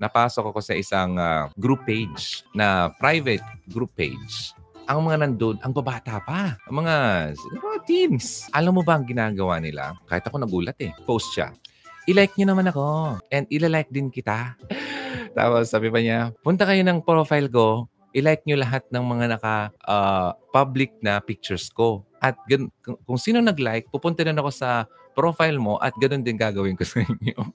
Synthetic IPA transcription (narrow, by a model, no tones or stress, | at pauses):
nɐpaːsokɐko̞sɐʔɪsaŋaɡɾupːejd͡ʒnɐpɾajvɛt̪̚ɡɾupːḛjd͡ʒʔɐŋmɐŋanɐnd̪od̪ɐŋbɐbaːt̪apaʔɐŋmɐŋaɐmɐŋat̪insʔɐlamːobɐʔɐŋɡɪnaːɡɐwanɪla̰kaːhɪt̪ɐko̞nɐɡuːlɐt̪ɛpowst̪ʃa̰ | ʔɪlajk̚ɲonɐmanɐko̞ʔɛnd̪ʔɪlalajk̚d̪ɪnkɪt̪a | t̪a̰ːposaːbɪpɐɲapʊnt̪ɐkɐjonɐŋpɾofajlko̞ | ʔɪlajk̚ɲolɐɦat̪̚nɐŋmɐŋanɐkɐʔapablɪk̚nɐpik̚t͡ʃɛɹsko̞ʔɐt̪̚ɡɐnkkʊŋsiːnonɐɡlajk̚pupʊnt̪ɐnnɐko̞sɐ | pɾo̞fajlmo̞ʔɐ̰t̪̚ɡɐno̞nd̪ɪnɡaːɡɐwɪnkosɐɪɲo